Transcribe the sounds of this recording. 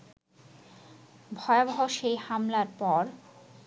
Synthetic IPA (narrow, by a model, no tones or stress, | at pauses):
bʱɔeabɔɦoʃejhamlaɾpɔɾ